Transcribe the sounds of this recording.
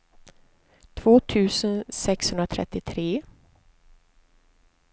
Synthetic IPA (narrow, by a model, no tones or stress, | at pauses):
t̪ʰv̥oːt̪ʰʉ̟ːsənsɛkshɵnd̪ɾat̪ʰɾɛ̰t̪ːɪt̪ʰɾeː